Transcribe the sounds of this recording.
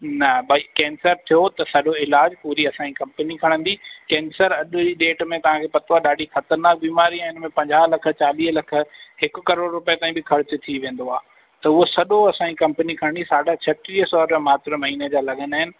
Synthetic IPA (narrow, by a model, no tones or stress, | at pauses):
nɐbɐikɛ̃ːnsəɾt̪ʰijot̪ɐsɐɗoɪlaːd͡ʑpuːɾiɐsãɲikɐ̃mpənikʰɐɽ̃ə̃nd̪ikɛ̃ːnsəɾɐɗiɗeːʈmẽt̪ɐʋ̤ãkʰeːpɐt̪oaːɗaːɖʱixɐt̪əɾnaːk̚biːmaːɾĩɪnmẽpɐ̃ɲd͡ʑaːɦlɐkʰə̆t͡ɕaːliːɦlɐkʰə̆hɪkʊ̆kɐɾoːɽɾʊpet̪aːĩbɪkʰɐɾɪt͡ɕt̪ʰiʋẽːn̆d̪oaː | t̪ɐʊɦosɐɗoɐsãːɲikɐ̃mpənikʰɐɽ̃nd̪isaːɖat͡ɕʰɐt̪ɾiːɦsɔːɾamaːt̪ɾəmɐɦiːned͡ʑaːlɐɠənaːɦɪnɪ̆